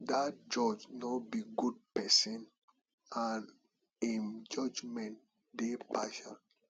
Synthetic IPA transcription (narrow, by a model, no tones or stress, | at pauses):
dat̚d͡ʒɔd͡ʒnɔbiɡud̚pɛsĩn | an | imd͡ʒɔd͡ʒmɛ̃nt | depaʃɔ̃n